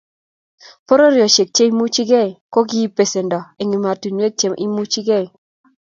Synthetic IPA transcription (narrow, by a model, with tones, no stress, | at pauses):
po˦ɾo˦ɾɪ˨ɔ˨ʃe˨k̚t͡ʃe˦i˦mu˦t͡ʃi˦ɡe˦˨i˨ko˦ɡi˦pe˨se˨ndɔ˨e˨ŋi˨ma˨ti˨nwe˦t̚t͡ʃe˨mʔḭ˦mu˦t͡ʃi˦ɡe˦i˨